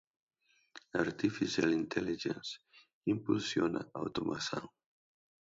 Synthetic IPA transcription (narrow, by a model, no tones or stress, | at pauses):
aɾt̪ifisjalint̪ʰɛliʒens | impulsjona̰awt̪umʔasa̰w